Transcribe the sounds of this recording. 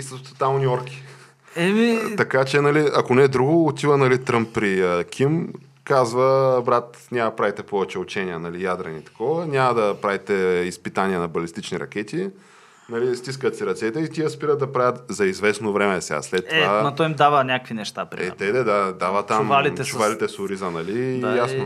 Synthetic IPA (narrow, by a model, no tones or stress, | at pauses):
isət̪ot̪amnʲiɔɾkʲi̥ | ɛmiɐkat͡ʃɛnɐliɐkonɛd̪ɾuɡoːt̪ʲivənɐlit̪ɾɤmpːɾikʰʲim | kazvəbɾat̪ | nʲamɐpɾavit̪ɛpɔvɛt͡ʃɛʊt͡ʃɛniənɐlijad̪ɾɐnit̪ɐ̥kɔvənʲamɐd̪ɐpɾavit̪ɛispit̪anʲiɛnɐbɐlist̪it͡ʃniɾɐ̰k̟ɛt̪i | nɐlist̪is̬kət̪siɾɐt̪sɛt̪ɛit̪ʲiəspiɾət̪̚d̪ɐpɾavʲjət̪zɐizvɛsnovɾɛmɛsɛa̰slɛt̪ːovanot̪ɔimd̪avənʲakəkvinɛʃt̪apɾiɛɛt̪ɛd̪ɛd̪ad̪avət̪ammalit͡ʃʊvalit̪ɛsʊɾizənɐlijasno